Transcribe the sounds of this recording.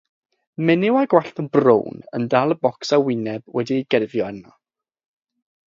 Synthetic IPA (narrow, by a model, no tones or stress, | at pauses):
mɛnɪwaɡwaɬθənbro̰wnə̰ndalˠəbɔksawɪnɛbwɛdiɡɛrvjɔəna